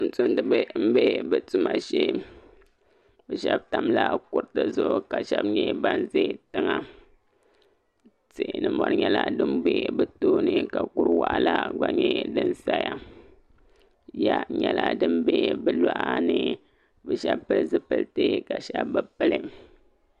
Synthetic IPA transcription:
n̩˨tu˦n˦dɨ˦bm̩˦be˦bɨ˨tu˦ma˨ʃe˦ | bɛ˨ʃɛ˦b̚ta˨mla˦ku˨ɾtɨ˨zʊ˦ʔka˨ʃɛ˦bɲɛ˦ba˦nze˦tɨ˦ŋa˨ | tɨ˨nɨ˦mɔ˨ɾɲɛ˦la˦dɨ˦mbe˦bɛ˦toː˦nɨ˦ka˨ku˦ɾwa˨ʔa˨la˦ɡ͡ba˨ɲɛ˦dɨ˦nsa˦ja˦ | ja˦ɲɛ˦la˦dɨ˦mbe˦bɨ˨la˦ʔa˦nɨ˦ | bɛ˨ʃɛ˦bpɨ˦lzɨ˦pɨ˦ltɨ˦ka˨ʃɛ˦bbɨ˦pɨ˦lɨ˦

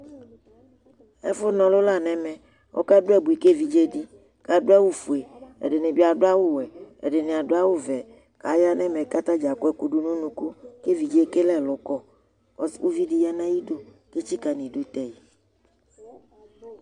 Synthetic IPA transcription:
ɛ̰˦fʊ˦nɔ̃˨lʊ˦la˦˨nɛ̃˨mɛ̃˨ | wʔo̰˦ka˦ɖʊ˦ɛ˦˨bu˨i˨ke˦vi˨d͡ʒe˦ɖi˦ | ka˨˦ɖʊ˦a˦wu˦fu˨e˨ḛ˨ɖɪ˨nẽ˨bi˦a˨ɖʊ˦a˦wo˦wɛ˨ḛ˨ɖɪ˨nẽ˨a˨ɖʊ˦a˦wo˦vɛ˨ | ka˨˦ja˦nɛ̃˦mɛ˨ka˦t̪a˦d͡ʒa˨kʊ˦ɛ˦ku˨ɖu˦nũ˦nũ˨ku˦ke˦vi˨d͡ʒe˦ke˦lɛ˦˨lʊ˨˦kɔ˦˨ | ɔ˦su˦vi˦ɖi˨ja˦nã˦ji˦do˦ | ke˦t͡ʃi˦ka˨nĩ˨ɖu˦t̪ɛ˨ji˨

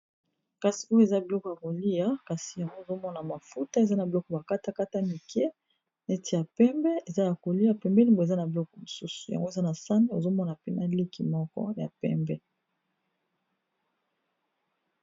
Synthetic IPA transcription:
ka˨si̥˨u˦jo˦e˨za˦bi˨lɔ˦kɔ˨ja˨ko˨li˦a˨˦ka˨si˨ja˨ŋɡo˦o˨zo˦mɔ˦na˨ma˨fu˦ta˦e˨za˦na˨bi˨lɔ˦kɔ˨ba˨ka˦ta˦ka˦ta˦mi˨kɛ˦ | n˨e˦ti˨ja˨pɛ˦mbɛ˦e˨za˦ja˨ko˨li˦ja˦pɛ˨mbɛ˦li˦mbo˨e˨za˦na˨bi˨lɔ˦kɔ˨mo˨su˦su̥˨ja̰˨ŋɡo˦e˨za˦na˨sa˦ne˦o̰˨zo˦mɔ˦na˨pe˦na̰˨li˦ki˨mɔ˦kɔ̰˦ja̰˨pɛ̰˦mbɛ˦

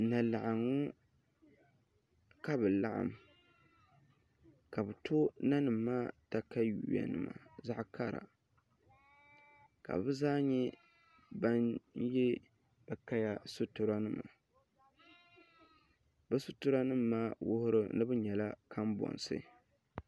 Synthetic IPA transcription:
na˨la˨ʔa˨ŋʊ˦ | ka˦bɨ˨la˦ʔa̰˨m | ka˨bɨ˨tʰo˦na˦nɨ˨mːaː˦ta˦ka˦ju˨wa̰˨nɨ̰˦ma̰˨za˦ʔka˦ɾa̰˨ | ka̰˨bɨ˦zaː˦ɲɛ˦ | ba˦njɛ˦ | b̥a˨ka˦ja˦sʊ˦tʊ˨ɾa˦nɨ˦ma̰˨ | bɨ˦sʊ˦tʊ˦ɾa˦nɨ˦mː˨aː˦wʊ˦hʊ˦ɾɨ˦nɨ˦bɨ˦ɲɛ˨la˦ka˦mbɔ̰˨nsɨ̰˦

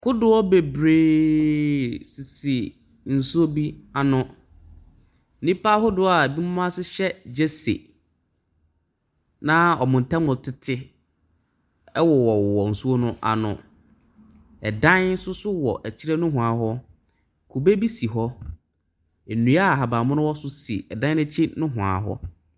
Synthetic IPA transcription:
kʰʊ˦dʊ˨ɔ˦be˨bɾeː˨ | si˨si˨ | n̩˨su˦o˦bi˦a˨nʊ̃˦˨ | nĩ˦pa˦ɦʊ˦dʊ˨˦a˨bi˦mʊ̃˦m˦ã˦sɪ˦ɕɛ˦d͡ʑe˦sḛ˨ | nã˦ɔ˨mʊ̃˨n̩˨tʰã˦mʊ̃˨tʰɪ˦tʰɪ˦ | ɛ˦wɔ˨wɔ˨ɔ˨n̩˨su˦o˦nʊ̃˦ʔa̰˨nʊ̰̃˨ | ɛ˨dã˦n˦sʊ˦sʊ˦wɔ̰˨ʔæ˨t͡ɕʰi˦ɾɛ˦nʊ̃˦ɦʊ̃˨a˨ɦɔ˦ | kʰu˨be˦bi˦si˨ɦɔ˦ | e˨nũ˨a˦˨ɦa˨baː˨mʊ̃˦nʊ̃˦wɔ˦sʊ˦si˨ɛ˨dã˦ɛ̃˦t͡ɕʰi˦nʊ̃˦ɦʊ̃˨a̰˨ɦɔ̰˦

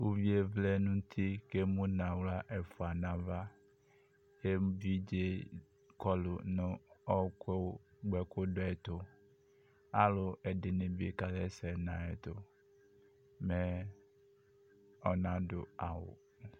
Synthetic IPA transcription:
wu˦vi˦e˦vlɛ˦nũ˦t̪ʰi˦ke˦mũ˦nã˨wla˦ʔe˨fo˨a˨nã˨va˦ | je˦vi˦d͡ʒe˦ | kɔ˦lo˨nõ˦ɔ˦ke˦ɡ͡bɛ˦ko˦do˦ɛ˨t̪o˦ | a˦lo˦e˨dɪ˨nẽ˨bi˦e˦˨ka˦lɛ˦sɛ˨nã˨e˨t̪o˦ | me˦ | ɔ˨nã˦dʊ̰˨a˨wo̰˨

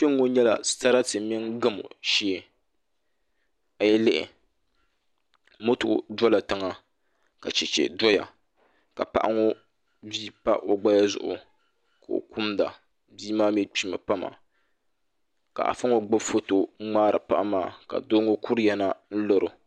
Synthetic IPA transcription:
t͡ʃe˦ŋː˦o˦ɲɛ˦la̰˨˦sa˦ɾa˦tɨ˨mɪ˦ŋɡɨ˦mʊ̰˨ʃi˦˨ | a˨jɛ˦lɪ˦ʔɪ̰˨ | mo˦to˨dɔ˦la˨tɨ˦ŋa˦ | ka˨t͡ʃɛ˨t͡ʃɛ̰˨dɔ˦ja̰˨ | ka˨pa̰˨ʔa˦ŋo˦ | biː˦pa̰˦ʔo˨ɡ͡ba˦ja˦zʊ̰˨ʔʊ̰˨ | ka˨o̰˨ku˦mda˨ | biː˦maː˦mɛ˦k͡pi˦ma˨pa˦ma̰˨ | ka̰˨ʔa̰˨fa˦ŋo˦ɡ͡ba˦bfo˦to˨˦ŋ͡maː˦ɾɨ̰˨pa˦ʔa˦maː˦˨ka̰˨do˦ŋo˦ku˦ɾjɛ˦na˦n̩˦lo˨ɾʊ˨

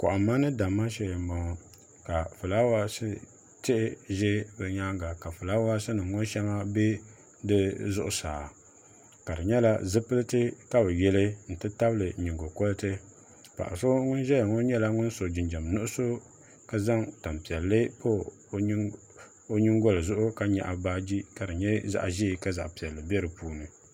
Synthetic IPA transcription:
kʊ̰˨ʔa˨mːa˦nɨ˦da˨mːa˦ʃɛ˦jm˨ba˨ŋ˨ | ka˨fu˨la˦wa˦sɨ˦ | tɪ˦ʔɪ˦ʒɛ˦bɛ˨ɲa˦ŋ˦ɡa˨ka˨fʊ˨la˦wa˦sɨ˦nɨ˨ŋo˦ʃɛ˦ŋa˦be˦ | dɨ˦zʊ˦ʔʊ˦saː˨ | ka˨dɨ˨ɲɛ˦la˦zɨ˦pɨ˦lɨ˦tɨ˦ka˦bɨ˨jɛ˦lɨ˦n̩˨tɨ˦ta˦bɨ˦lɨ˨ɲi˨ŋɡo˨ko˦lɨ˦tɨ˦ | pa̰˨ʔa̰˨so˦ŋʊ˦nʒɛ˦lŋo˦ɲɛ˦la˦ŋʊ˦n˦so˨d͡ʒɪ˨nd͡ʒa˨m˨nʊ˦ʔʊ˦so˦ | ka˦za˦ŋta˨mpi˨ɛ˨lːɨ˦po˦ | o˦ɲi˦ŋɡo˦lɨ˨zʊ˦ʔʊ˦ka˦ɲɛ̰˨ʔa˨baː˦d͡ʒi˦ka˨dɨ˨ɲɛ˦za̰˨ʔʒi˦˨ka˦za̰˨ʔpi˨ɛ˨lːɨ˨bɛ˦ɾɨ˨puː˦nɨ˨

